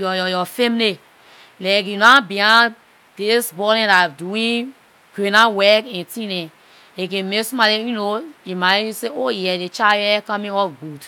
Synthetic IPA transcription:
jɔjɔjɔfɛ̃mne | lak̬junabiã | d̥esbɔɾɛ̃daduĩ | kenãwɛkɛ̃ntĩnɛ̃ | ek̬ẽmesumalejunoimajuseojɛdet͡ʃajɛkãmĩɔfɡ͡bud

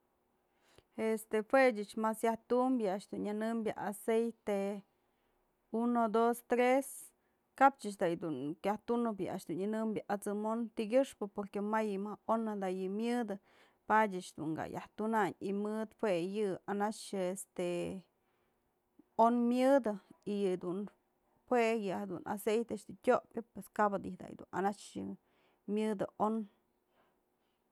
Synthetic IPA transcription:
est̪ehwed͡ʒɨt͡ʃmasjaht̪umbjɨaʂd̪unanɨmbʲja̰ʔasejt̪e | unod̪ost̪ɾes | kap̚t͡ʃɨt͡ʃd̪ajd̪uŋkʲaht̪unɨbjɨa̰ʃd̪unanɨmbʲjaʔat͡sɨmont̪iɡʲɨʂpɨpoɾkemajɨmahonad̪ajɨmjɨd̪ɨ | padʲat͡ʃd̪ṵŋɡa̰ja̰ht̪unaɲimɨt̪hwejɨanat͡ʃest̪e | onmjɨd̪ɨijɨd̪un | hwejɨhad̪unʔa̰sejt̪eat͡ʃd̪utʲoʔpʲjɨpweskabad̪ḭhd̪a̰jd̪ṵna̰nat͡ʃjɨ | mjɨd̪ɨʔon

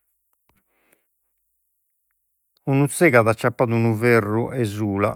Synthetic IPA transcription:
unut̪seːɣaðat͡ʃːapːaːðunuverːuʔɛzuːla

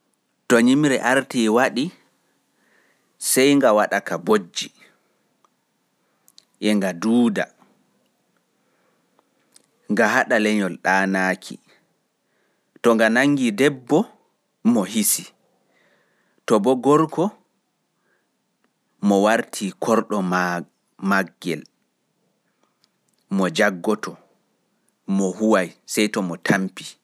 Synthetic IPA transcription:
tɔɲimɾɛʔaɾtiːwaɗi | sɛjŋɡawaɗakabod͡ʒːi | ʔɛŋɡaduːda̰ | ŋɡaɦaɗalɛɲɔlɗaːnaːkʰḭ | tɔŋɡanaŋːɡidɛbːɔ | mɔɦisi | tɔbɔɡɔɾkʰɔ | mɔwaɾtʰikʰɔɾɗɔm | maɡːɛ̰l | mɔd͡ʒaɡːɔtʰɔ | mɔɦuwajsɛjtɔmɔtʰampi

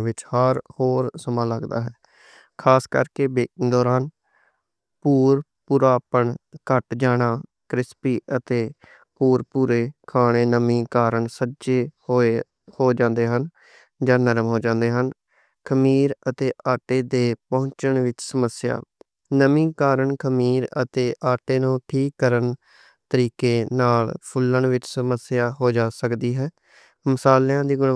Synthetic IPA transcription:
ʋɪt͡ʃhəɾhoːɾsəmãːləɡd̪a̰ːɦɛː | kʰaːskə̰ɾkeːbeːd̪ɔːɾaːn | puːɾpuɾaːpəɳkəʈd͡ʒaːɽaː | kɾɪspiːʔət̪eː | puːɾpuːɾeːkʰaːɽ̃eːnəmĩːkaːɾəɳsəd͡ʒeːoe | hoːd͡ʒãːnd̪eːɦən | d͡ʒãːnəɾəmɦoːd͡ʒãːnd̪eːɦən | kʰəmiːɾət̪eːʔaːʈeːd̪eːpɔ̃ʊ̃ɲt͡ʃəɳʋɪt͡ʃsəməsja̰ː | nəmĩːkaːɾəɳkʰəmiːɾə̰t̪eːʔaːʈeːnũːʈʰiːkːəɾən | t̪əɾiːkeːnaːlpʰʊləɳʋɪt͡ʃsəməsɪjaːɦoːd͡ʒaːsəkd̪iːɦɛː | məsaːljãːd̪iːɡʊɳ

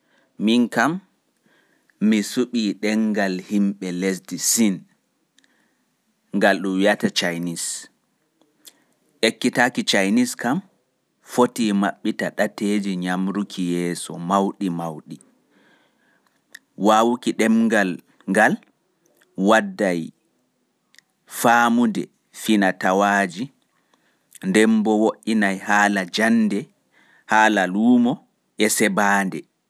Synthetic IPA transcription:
minkam | isuɓiːɗɛŋɡalhimɓɛlesdisin | ŋɡalɗumwjatat͡ʃajnis | ʔekːitakit͡ʃajniskam | fotiːmaɓːitaɗated͡ʒiɲamɾukʰijɛːsɔmawɗimawɗi | waːwukiɗɛmŋɡal | ŋɡal | wadːaj | faːmudɛ | finatawaːd͡ʒi | ndɛmbɔwoʔinajhaːlad͡ʒandɛ | haːlaluːmɔ | ʔɛsɛbaːndɛ

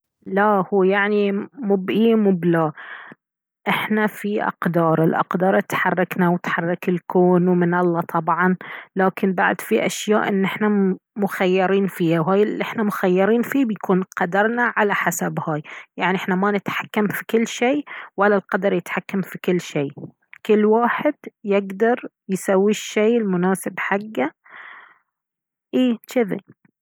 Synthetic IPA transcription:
lahuːjaʕnimubʔiːmublaː | ʔɪħnafiʔɑ̰qd̪ɑːɾˤɪlʔɑ̰qd̪ɑːɾˤt̪ħɑrˤːɑknawɪt̪ħɑrˤːɑkɪlkoːnwmɪnɑlˤːɑt̪ʰˤɑbʕɑnlaːkʰɪnba̰ʕd̪fiʔa̰ʃjaːʔʔɪnːʔɪħnamʊxajːɑɾiːnfiːhawɦaːjɪlʔɪħnamʊxajːɑɾiːnfiːbjakʰuːnqɑd̪ɑɾˤnaʕalaħasabhaːjjaʕniʔɪħnamanɪt̪ħḁkːamfikɪlːʃeːwalːalqɑd̪ɑɾˤjɪt̪ħakːamfikɪlːʃeː | kɪlːwaːħɪd̪̥jɪɡd̪ɑɾˤ | jsawːiʃːeːɪlmʊnaːsɪbħaɡːa | ʔiːt͡ʃɪðḭ

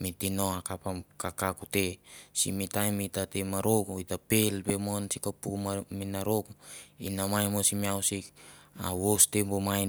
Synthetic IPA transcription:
mitinoakapakakakutesḭmitajmitatemaɾokuitapelbemonsikapumaminaɾokuḭnamajmosimiawsika̰wostebomaj

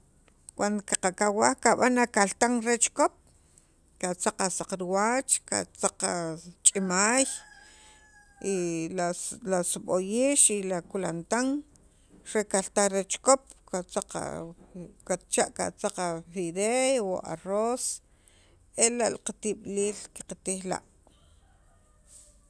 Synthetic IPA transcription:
kwand̪okaqakawahkaɓanakalt̪aŋɾet͡ʃkop̚ | kat͡saqasaqɾiwat͡ʃka̰t͡saqat͡ʃʼimaːj | ialasuɓojiːʃilakulant̪aŋ | ɾekalt̪aɾet͡ʃkop̚kat͡saqa̰ | kat̪̚t͡ʃaʔka̰t͡saqafiðewo̰ʔa̰roːs | elaʔlaqat̪iɓliːlki̥qat̪iχla̰ʔ

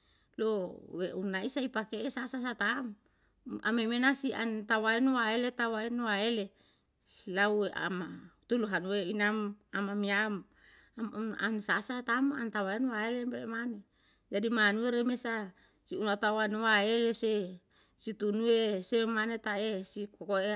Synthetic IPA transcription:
loweunaisaipakeesasas̬at̪am | a̰memenasiʔa̰nt̪awainwaelet̪awaenwaele | laueʔa̰mat̪uluɦanweinamamamiam | amama̰nsasat̪ama̰nt̪awaenwaelembelemane | d͡ʒadimanueɾemesa | siunat̪awanwaelese | sit̪unuesemanet̪aesikokoe

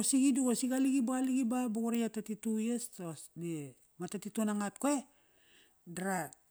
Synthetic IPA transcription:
osiɡiduɡosiɡaliɡibaɡaliɡibaboɡuɾejatatitujestosde | matatitunaŋat̚koe | daɾat̚

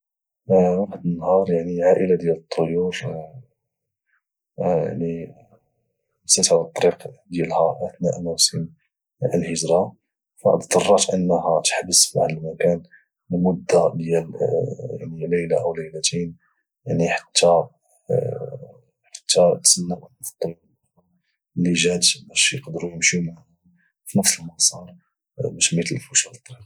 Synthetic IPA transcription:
waħəd̪ənːhɑɾˤjaʕniʕaʔəlad̪jælət̪ˤʰːojuɾ | ja̰ʕni | sæt̪ʕaət̪ˤːɑɾiqd̪jælhæʔəθnæʔmæwsən | əlhəʒɾɑ | fæ̰ʔt̪d̪ɑrˤːɑt̪ʔənːhæt̪ə̥ħbəsfiʕənlmækæn | lmʊd̪ːad̪jælja̰ʕniləjla̰ʔəwləjlæt̪in | jaʕniħḁt̪ʰːæ | ħḁt̪ːæt̪sənːawʔəlːəft̪ˤː | liʒæt̪bæʃjəqd̪ɾujəmʃum | finəfsəlmɑsˤɑɾˤ | bæʃmit̪əlfuʃælt̪ˤːɾiq

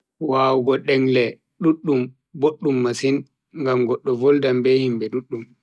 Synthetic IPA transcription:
waːwɡɔɗɛŋlɛ | ɗuɗːum | boɗːumːasin | ŋɡamɡɔɗːɔvɔldambɛhimbɛɗuɗːum

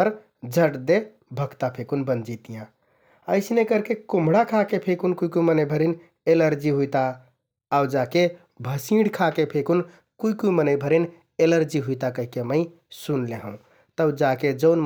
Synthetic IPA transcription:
əɾ | d͡ʒʱəʈd̪e | bʱəɡt̪apʰekunbənd͡ʒit̪ijã | əɪsnekəɾkekumɽakʰakepʰekunkuikumənəjbʱəɾin | eləɾd͡ʒiɦujt̪aː | wd͡ʒake | bʱəsĩɽkʰakepʰekun | kuikujmənəjbʱəɾin | eləɾd͡ʒiɦujt̪akəɦikeməɪ | sunleɦə̃ | t̪əd͡ʒaked͡ʒəʊn

